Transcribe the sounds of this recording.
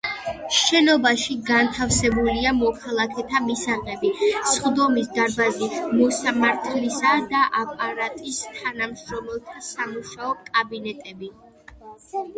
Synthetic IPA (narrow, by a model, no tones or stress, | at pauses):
ʃɛnɔbaʃiɡant̪ʰafsɛbuliamɔkʰalˠakʰɛt̪ʰamisaʁɛbisχd̪ɔmisd̪aɾbazimɔsamaɾt̪ʰlisad̪aʔapʼaɾat̪ʼist̪ʰanamʃɾɔmɛlˠt̪ʰasamuʃaɔkʼabinɛt̪ʼɛbi